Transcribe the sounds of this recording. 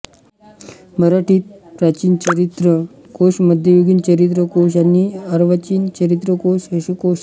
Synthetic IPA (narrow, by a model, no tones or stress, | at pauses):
məɾaʈiːt̪̚pɾat͡ɕiːnt͡ɕəɾit̪ɾə | koɕməd̪ʱjeʋiɡiːnt͡ɕəɾit̪ɾəkoɕ̬aniəɾʋət͡ɕiːnt͡ɕəɾit̪ɾəkoɕəɕukoɕ